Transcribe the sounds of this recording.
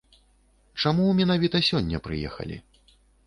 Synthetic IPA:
t͡ʂamumʲɛnavʲit̪ɐsʲɔnʲːɐ̰pɾɨjɛ̰xɐ̰lʲḭ

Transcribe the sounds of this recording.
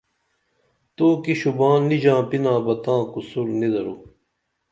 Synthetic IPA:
t̪oːkiɕubãːnːid͡ʑãːpinãːbɐt̪ãːkusuɾnid̪ɐɾu

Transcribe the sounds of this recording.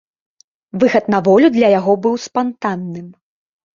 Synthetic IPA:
vɨɣɐt̪navɔlʲud̪lʲɐjaɣɔbɨwspant̪anːɨm

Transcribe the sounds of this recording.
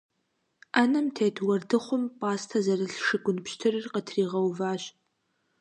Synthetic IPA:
aːnɐmtʰejtʰwɐrdɨχʷʊmpʼaːstʰɐzɐrɨɬʂɨɡʷʼʊnpʃtʰɨrɨrqɐtʰriːʁɐwvaːɕ

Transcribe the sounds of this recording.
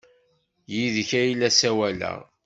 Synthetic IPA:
jiðçæjlːæsæwælæ̰

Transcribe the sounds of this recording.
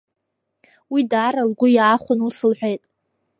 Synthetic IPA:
widaːɾalɡʷʊjaːχʷʊnusɨlħʷᶣejtʼ

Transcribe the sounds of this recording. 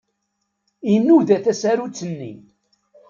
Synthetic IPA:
inːuðæθæsæɾut͡sːənːḭn

